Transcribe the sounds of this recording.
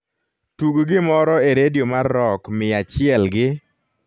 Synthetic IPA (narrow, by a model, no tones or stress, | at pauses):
tuɡɡɪmɔɾɔeɾedjomarːɔkmɪat͡ʃɪɛlɡɪ